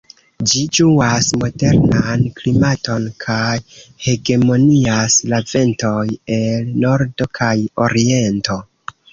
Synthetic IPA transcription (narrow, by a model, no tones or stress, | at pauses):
d͡ʒid͡ʒuasmo̞de̞ɾnanklimato̞nkʰajhe̞ɡe̞mo̞niaslave̞nto̞je̞lno̞ɾdo̞kʰajo̞̰ɾie̞nto̞